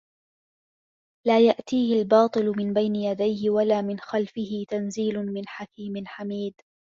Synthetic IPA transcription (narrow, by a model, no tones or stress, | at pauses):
laːjaʔt̪iːhɪlbɑːt̪ˤɨlʊmɪnbajnɪjad̪ajhɪwalaːmɪnxalfɪhɪt̪anziːlʊmɪnħakiːmɪnħamiːd̪